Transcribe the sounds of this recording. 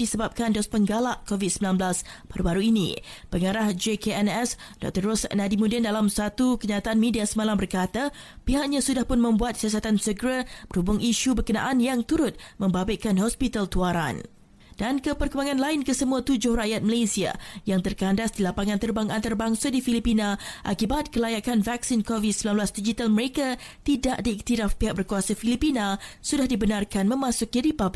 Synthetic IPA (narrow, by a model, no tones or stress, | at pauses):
disəbap̚kandɔspəŋɡalaʔkovid̪̚səmbilanbəlasb̥aɾubaɾuinḭ̃pəŋaɾahd͡ʒekeɛnɛsdɔ̰k̚t̪ərːɔsnadimudɛndalamsat̪ukəɲat̪aʔanmẽdiasəmalambərkat̪apiɦaʔɲãsudahpʊnmə̃mbuat̪̚siasat̪ansəɡɾabərhubʊŋiʃubərkənã̰ʔanjaŋt̪uɾʊt̪̚mə̃mbabakanhɔspit̪alt̪uaɾa̰n | d̥ankəpərkəmaŋãnlaɪnkəsəmũat̪ud͡ʒʊhraʔjat̪̚məlesia̰jaŋt̪ərkandasdilapaŋant̪ərbaŋʔant̪arbaŋsadifilipinãʔa̰kibat̪̚kəlajakanvak̚sinkɔvisəblaluasdid͡ʒit̪alməɾeka | t̪idaʔdiːk̚t̪iɾafpiɦak̚bərkuasafilipinãsudahdibənarkanmə̃masʊkiɾipab